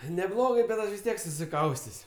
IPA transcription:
nʲɛˈblˠoːɡɜ bʲɛt ˈɐʃ ʋʲɪs ˈtʲiɛk sʊsʲɪˈkɐʊsʲtʲeːsʲ

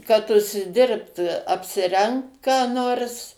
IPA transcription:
kɐt ʊʃʲsʲɪˈdʲɪrpt ɐpʲsʲɪˈrʲɛŋkt kɑː ˈnoːrs

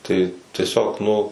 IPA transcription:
tɐɪ tʲiɛˈsʲoːk ˈnʊ

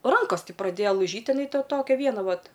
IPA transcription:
ˈrɐŋkoːs ˈtʲɪ prɐˈdʲeːjɛ lˠɐɪˈʒʲiːtʲ ɪˈnɐɪ tɐ ˈtoːkʲɛ ˈʋʲiɛnɐ ˈʋɐt

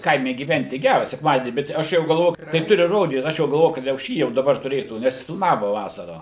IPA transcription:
ˈkɐɪmʲɛ ɡʲiːˈʋʲɛnʲtʲɪ ˈɡʲærɐ sʲɛkˈmɑːdʲiɛnʲiː bʲɛt ˈɐʃ jɛʊ ɡɐlˠˈʋoː tɐɪ ˈtʊrʲɪ ˈroːdʲiːt ˈɐʃ jɛʊ ɡɐlˠˈʋoːjʊ kɐt jɛʊ ˈʃʲiː jɛʊ dɐˈbɐr tʊˈrʲeːtuː nʲɛs fʲɪlˠmɐʋoː ˈʋɑːsɐrɑː

